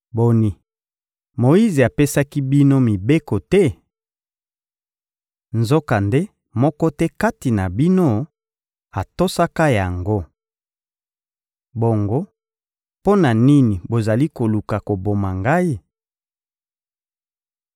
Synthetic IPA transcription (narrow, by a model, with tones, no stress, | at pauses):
bo˨ni˨ | mo˨i˦ze˨a˨pe˦sa˦ki˦bi˦no˦mi˨be˦ko˨tɛ˦ | nzo˦ka˨nde˦ | mɔ˦kɔ˦tɛ˦ka˦ti˨na˨bi˦no˦ | a˨to˦sa˦ka˦ja˨ŋɡo˦ | bo˨ŋɡo˦ | po˦na˨ni˦ni˨bo˨za˨li˦ko˨lu˨ka˨ko˨bo˨ma˨ŋɡa˦i˦